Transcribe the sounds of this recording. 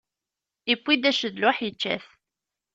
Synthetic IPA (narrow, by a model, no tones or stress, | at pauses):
ipʷːid̪æʃəðlʊħjət͡ʃːæ̰θ